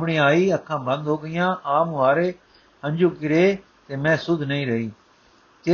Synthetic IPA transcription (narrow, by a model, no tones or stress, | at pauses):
pɽĩːaːiːəkʰːãːbə̃nd̪ɦoːɡəɪjãːʔaːmuːaːɾeː | ə̃nd͡ʒuːkɪɾeː | t̪eːmɛ̃ːsʊd̪ʱnəĩːɾəiː | t̪e